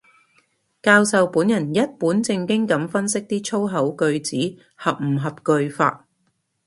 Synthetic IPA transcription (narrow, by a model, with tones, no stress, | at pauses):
kaː˧wsɐ˨wpuː˨˥njɐ˨˩njɐ˥t̚puː˨˥nt͡sɪ˧ŋkɪ˥ŋkɐ˨˥mfɐ˥nsɪ˥k̚t̪iː˥t͡ʃʰo˥wɦɐ˨˥wkɵ˧ɥt͡siː˨˥ | hɐ˨p̚m̩˨˩ɦɐ˨p̚kɵ˧ɥfa̰ː˧t̚